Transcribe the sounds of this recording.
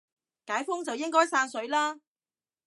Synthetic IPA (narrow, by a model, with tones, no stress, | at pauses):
kaː˨˥jfʊ˥ŋt͡sɐ˨wjɪ˥ŋkɔː˥jsaː˧nsɵ˨˥ɥlaː˥